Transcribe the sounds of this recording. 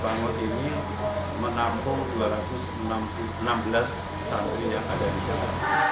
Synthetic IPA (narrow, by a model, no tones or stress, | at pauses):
baŋɔt̪ini | mənampʊŋduaɾat̪ʊsənamp | ənambəlas | tant̪ɾijaŋadadisala